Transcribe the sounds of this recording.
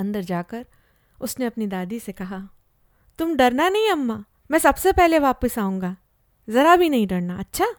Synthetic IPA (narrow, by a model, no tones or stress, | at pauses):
ɐ̃nd̪əɾd͡ʒaːkɐɾ | ʊsneɐpnid̪aːd̪isekɐɦaː | t̪ʊmɖɐɾnanɐɦĩɐmːaː | mɛ̃ːsɐbsepɛɦleʋaːpəsaːũːŋɡaː | zɐɾabʱinɐɦĩɖɐɾnaɐtːʃʰaː